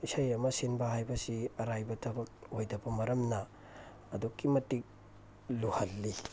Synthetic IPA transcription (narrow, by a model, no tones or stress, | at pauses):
isajɐmɐsinbɐɦajbɐsiɐɾajbɐtʰɐbɐk̚ojdɐbɐmɐɾɐmnɐː | dukːimɐtik̚ | luhɐlːi